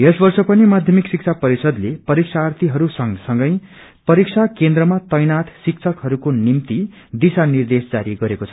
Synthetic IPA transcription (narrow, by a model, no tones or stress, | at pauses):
esbʌrsʌpʌnimad̪ʱjʌmiksik̚t͡sʰapʌɾisʌd̪lepʌɾiksʰaːrt̪ʰiɦʌɾusʌŋsʌŋɡʌj | pʌɾiksʰakend̪rʌmat̪ʌjnat̪ʰsik̚t͡sʰʌkɦʌɾukonimt̪i | d̪isanird̪esd͡zaɾiɡʌɾekot͡sʰʌ